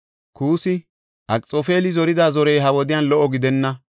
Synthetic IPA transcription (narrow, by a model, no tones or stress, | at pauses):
kuːsɪ | ʔɐkʼt͡sʼofe̞ːlɪzɔɾɪd̪aːzɔɾejɦɐwɔd̪ɪjanlɔʔɔɡɪd̪ɛnːɐ